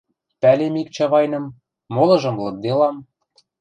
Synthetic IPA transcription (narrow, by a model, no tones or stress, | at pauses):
pælemik̚t͡ɕɑβɑjnɤ̆mː | olɤ̆ʒɤ̆mlɤ̆k̚d̪elɑm